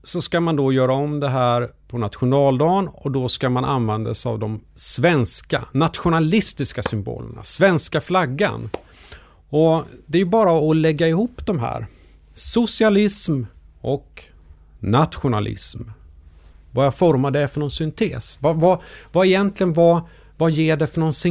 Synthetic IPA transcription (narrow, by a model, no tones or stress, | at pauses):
sɔskamand̪ɔjœːɾaɔmd̪ɛɦæːɾpʰɔnat̪ɧʊnɑːld̪ɑːnɔd̪ɔskamanʔa̰nvɛnd̪a̰sa̰vd̪ɔmsvɛnska̰nat̪ɧʊnalɪst̪ɪskasʏmbo̰ːlə̰ɳa̰svɛnskaflaɡːa̰n | ɔd̪ɛæːjɵbɑːɾaɔlɛɡːaɪhuːpːd̪ɔmɦæ̰ːɾ | sʊsɪalɪsm | ʔɔk | nat̪ɧʊnalɪ̰sm | vajafɔɾmad̪ɛfœɳɔnsʏnt̪ʰḛːsvavavaɛjɛnt̪ʰlɪɡənva | vajeːɖɛfœɳɔnsɪ